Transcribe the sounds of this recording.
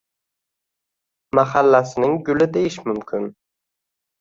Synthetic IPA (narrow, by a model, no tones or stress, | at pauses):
maχalːasɪnɪŋɡʊlɪd̪ejɪʃmʊmkʲʰɪn